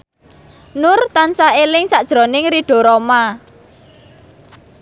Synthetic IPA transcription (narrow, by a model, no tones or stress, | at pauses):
nʊrt̪ansaelɪŋsaʔd̥ʒ̥ɾo̤nɪŋɾiɖ̥o̤ɾoma